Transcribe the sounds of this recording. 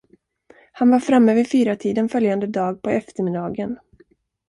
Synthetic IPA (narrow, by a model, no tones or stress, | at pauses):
hanvaɾfɾamːɛvɪfyːɾat̪ʰiːd̪ənfœljand̪əd̪ɑːɡ̚pʰɔɛft̪əɾmɪd̪ɑːɡən